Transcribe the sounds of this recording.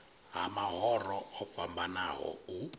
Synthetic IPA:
ɦamaɦɔrɔɔpfambanaɦɔ̰u

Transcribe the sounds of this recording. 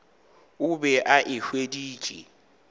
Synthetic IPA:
ʊbɛʔaʔɪhwediːt͡ʃʼḭ

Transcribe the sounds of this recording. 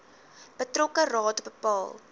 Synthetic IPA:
b̥ətrɔkərɑːtbəpɑːlˠ

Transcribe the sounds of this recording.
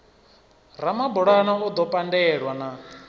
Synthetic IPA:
ɾ̤amabɔɺanaud̪ɔpʼandɛɺwana

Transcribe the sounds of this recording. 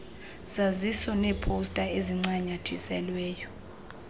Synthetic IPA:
z̥azisɔnɛpʰostʼaeziŋ͡ǀaɲatʰisɛlwɛːjɔ

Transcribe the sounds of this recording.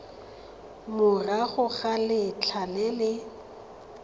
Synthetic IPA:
mʊraɣʊɣalɪt͡ɬʰalɛlɪ

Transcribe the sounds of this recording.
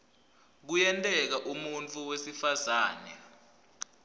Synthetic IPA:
k̬ujɛntʼɛk̬aʔumunt͡fʰʼuwesifazaːnɛ̰

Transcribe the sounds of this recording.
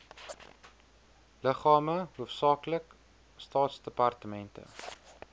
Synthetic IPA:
ləχɑːməɦuəfsɑːklək | stɑːtsdəpɐrtəmɛntə̰

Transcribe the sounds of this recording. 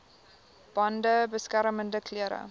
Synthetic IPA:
b̥ɐndəbəskæɾməndəkʰliəɾə̰

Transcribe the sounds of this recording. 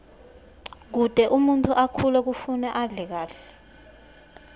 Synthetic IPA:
k̬ud̥ʱɛʔumuntʰuʔakʰulɛk̬ufunɛʔaɮɛk̬aːɬɛ̥

